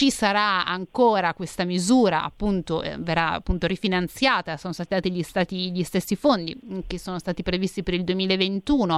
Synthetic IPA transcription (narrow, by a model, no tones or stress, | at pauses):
t͡ʃisaɾaaŋkoːɾakwest̪amizuːɾa̰a̰pːunt̪o̰verːaa̰pːunt̪oɾifinant̪sjaːt̪asoːnost̪aːt̪id̪aːt̪iʎist̪aːt̪iʎist̪esːifond̪ḭkesːoːnost̪aːt̪ipɾevist̪ipeɾild̪uwemiːlaevent̪uːno